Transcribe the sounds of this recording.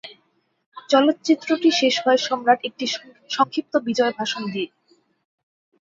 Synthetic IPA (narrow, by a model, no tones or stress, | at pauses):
t͡ɕɔlot̪ːt͡ɕit̪ːɾoʈiʃeʃɦɔeʃɔmɾaʈek̚ʈi | ʃɔŋkʰɾip̚t̪obid͡ʑɔebʱaʃond̪ie